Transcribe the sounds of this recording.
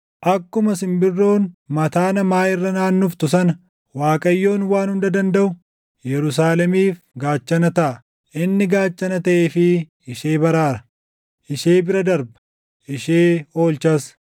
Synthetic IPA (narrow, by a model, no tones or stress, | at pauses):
ʔɐkːʊmɐs̬ɪmbɪrːo̞ːnmɐt̪aːnɐmaːʔɪrːɐnaːnːuft̪ʊsɐnɐ | waːkʼɐjːo̞ːnwaːnhʊnd̪ɐd̪ɐnd̪ɐʔʊ | jɛɾʊs̬aːlɛmiːf | ɡaːt͡ʃːɐnɐt̪ɐʔɐ | ʔɪnːɪɡaːt͡ʃːɐnɐt̪ɐʔeːfɪ | ɪʃeːbɐɾaːɾɐ | ʔɪʃeːbɪɾɐd̪ɐɾbɐ̥ | ʔɪʃeːo̞ːlt͡ʃɐs